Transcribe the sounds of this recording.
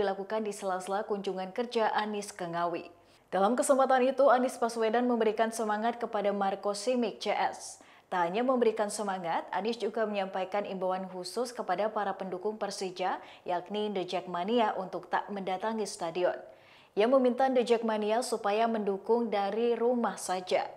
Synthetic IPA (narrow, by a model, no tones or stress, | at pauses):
ilakukandisəlasəlakuɲd͡ʒuŋankərd͡ʒaʔanɪskəŋawḭ | d̥alamkəsəmpat̪anit̪uanɪspaswedanməmbəɾikansəmaŋat̪̚kəpadamarkosimɪk̚t͡ʃeʔɛs | t̪aɦaɲaməmbəɾikansəmaŋat̪̚a̰nɪsd͡ʒuɡaməɲampajkanimbawanɦusʊskəpadapaɾapəndukʊŋpərsid͡ʒa | jaknindəd͡ʒɛk̚maniaʔunt̪ʊk̚t̪aməndat̪aŋist̪adiɔn | ijaŋməmint̪andəd͡ʒɛk̚maniasupajaməndukʊŋdaɾiɾumahsad͡ʒa̰